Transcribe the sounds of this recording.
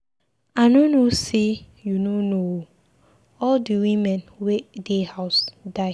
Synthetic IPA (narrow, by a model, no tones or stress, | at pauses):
anonose | junono | ɔldiwĩmɛ̃nwedehaʊsdaɪ